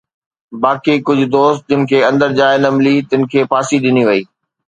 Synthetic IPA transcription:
baːkikʊd͡ʑʱʊ̆d̪oːst̪̚d͡ʑɪnɪ̆kʰeːɐ̃nd̪əɾd͡ʑaːɪnɐmlit̪ɪnɪ̆kʰeːpʰaːsiɗɪniʋɐiː

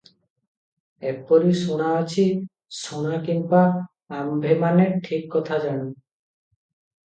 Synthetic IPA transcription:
epɔɾisuɽ̃aat͡ʃʰi | suɽ̃akinbaː | mbʱemaneʈʰikːɔt̪ʰad͡ʒañi

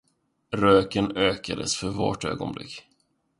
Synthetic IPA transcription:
ɾøːkənøːkad̪əsfœɾvo̰ʈø̰ːɡɔ̰nblɪ̰kː

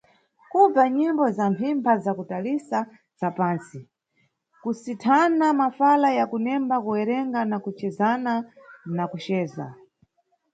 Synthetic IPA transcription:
kub͡vaɲimbɔzampʰimpʰazakutalisa | zapaːnsi | kusitʰanamafalajakunɛmbakuwɛɾɛŋɡanakut͡ʃɛzananakut͡ʃɛːza̰

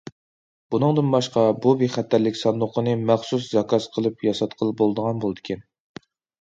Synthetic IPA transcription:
b̥unɨŋd̪ɨnbɑʃqɑbuveχæt̪ʰːæɾlɪkʲsɑnd̪ʊqʰənɨmæχsus̬zɑkɑsqʰəlˠɨpjɑsɑt̪qʰəlˠɨp̚bolˠd̪əʁɑnbolˠɨd̪ɪkʲʰɛn

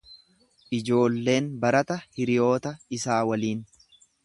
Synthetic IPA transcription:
ʔɪd͡ʒo̞ːlːe̞ːnbɐɾɐt̪ɐhɪɾɪjo̞ːt̪ɐɪsaːwɐliːn

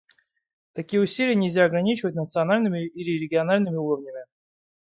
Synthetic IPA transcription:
t̪ɐkʲijəʊsʲilʲɪjənʲɪlʲzʲaɐɡɾɐnʲit͡ɕɪvət̚ʲnət̪sɨɐnalʲnɨmʲɪilʲɪɾʲɪɡʲɪɐnalʲnɨmʲɪuɾəvnʲəmʲɪ

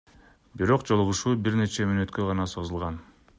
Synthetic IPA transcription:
biɾo̞qd͡ʒo̞lˠuʁuʃuːbiɾne̞t͡ʃemynø̞t̪køʁɑnɑso̞zulˠʁɑn

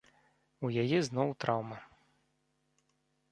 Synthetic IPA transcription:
ujajɛznɔwt̪ɾawmɐ

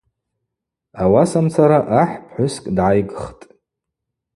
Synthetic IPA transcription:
awasamt͡sʰaɾaʔaħpʰħʷʊskʼdʕajɡχtʼ

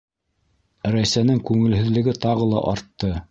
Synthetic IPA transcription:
ɾæjsænɘŋkʉŋɘ̆lɦɘ̆ðlɘ̆ɡɘt̪ɑʁɤlˠɑ̰ʔɑɾt̪ːɤ

